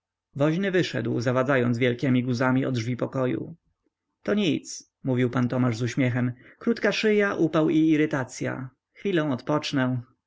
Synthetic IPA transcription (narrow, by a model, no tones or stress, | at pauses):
vɔʑnɘvɘʂɛ̰d̪wzavad̪zajɔnd̪zvʲjɛlkʲɛmʲiɡuzamʲiɔ̰d̪ʐvʲipɔkɔjṵ | t̪ɔɲit̪s | muvʲiwpant̪ɔmaʐzuɕmʲjɛxɛmkɾut̪kaʂɘjaʔupawiːɾɘt̪at̪sʲja̰ | xfʲilɔ̃w̃ɔt̪pɔt͡ʂnɛ̃